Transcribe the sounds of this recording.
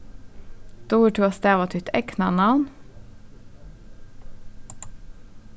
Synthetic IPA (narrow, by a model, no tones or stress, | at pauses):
d̪̥uːʈʰʉːɑst̪eːʋɑt̪ʰʏt̪ʰɛknɑ̰nɑʋn